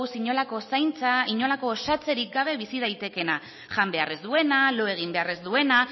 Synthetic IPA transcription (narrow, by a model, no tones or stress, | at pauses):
wsiɲo̞lako̞sajnt͡saiɲo̞lako̞ːsat͡se̞ɾik̚ɡaβ̞e̞βisið̞ajt̪e̞ke̞na | ʝambe̞are̞zd̪ue̞nalo̞e̞ɣ̞imbe̞are̞zd̪ue̞na